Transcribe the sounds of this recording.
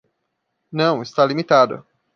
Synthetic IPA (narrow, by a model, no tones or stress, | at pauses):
nɐ̃w̃ɪst̪alimit̪ad̪ɐ̰